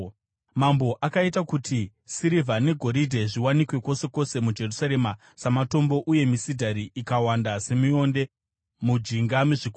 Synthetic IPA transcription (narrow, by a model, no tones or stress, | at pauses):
mambo̞ʔakaitakutʰi | siɾivʱane̞ɡʱo̞ɾidʱeʐiwanikwe̞ko̞se̞ko̞se̞mud͡ʒe̞rusaɾe̞ma | samato̞mbo̞ʔuje̞misidʱaɾiʔikawandase̞mio̞nde̞ | mud͡ʒiŋɡamiʐiku